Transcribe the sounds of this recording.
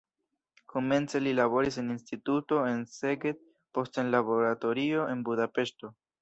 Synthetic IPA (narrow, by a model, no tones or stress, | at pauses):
ko̞me̞nt͡se̞lilaβo̞ɾiseninstituto̞e̞nse̞ɡet̚ | po̞stenlabo̞ɾato̞ɾio̞ʔe̞nbudape̞ʃto̞